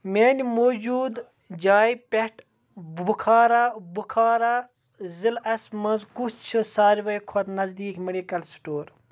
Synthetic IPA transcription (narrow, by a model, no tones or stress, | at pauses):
mʲeːnimoːd͡ʒuːd̪ | d͡ʒaːjipeʈ | bbukʰaːɾaːbukʰaːɾaː | zilɐsmɐnzkust͡ʃʰɨsaːɾʋɐjkʰot̪nɐzd̪iːkmeɖikɐlsʈoːɾ